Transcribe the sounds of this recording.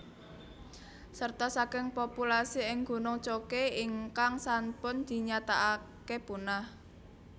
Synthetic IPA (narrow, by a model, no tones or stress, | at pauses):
sərt̪ɔsakɪŋpopulasiɪŋɡo̤nʊŋt͡ʃokeiŋkaŋsampʊnd̪̥i̤ɲat̪aʔakeb̥ṳnah